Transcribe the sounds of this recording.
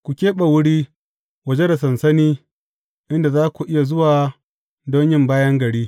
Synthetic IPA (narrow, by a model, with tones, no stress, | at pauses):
kʷu˨kʲeː˦ɓa˨wʊ˦ɽiː˦ | wɐ˨d͡ʒe˦da˨s̬ɐ˨nsɐ˦niː˦ | ʔɪ˦nda˨zaː˦kʷu˨ʔɪ˦ja˨zʊ˦waː˨ | dɔ˦ɲjɪ˦mbaː˦jɐ˦ŋɡɐ˨ɽiː˦